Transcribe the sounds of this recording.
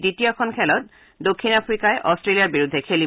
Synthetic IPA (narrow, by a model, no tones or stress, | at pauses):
ditijɔkʰɔnkʰɛlɔt̚ | dokʰːinapʰɹikaɛʔɔstɹelijaɹbiɹudʱːɛkʰeli